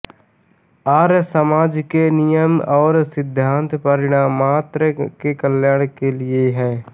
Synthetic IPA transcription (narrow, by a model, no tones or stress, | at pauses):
aːɾsəmaːd͡ʒkenɪjəmɔːɾsɪd̪ʱːãːnt̪pəɾɪɽ̃aːmːaːt̪ɾəkekəljaːɽ̃kelɪeɦɛː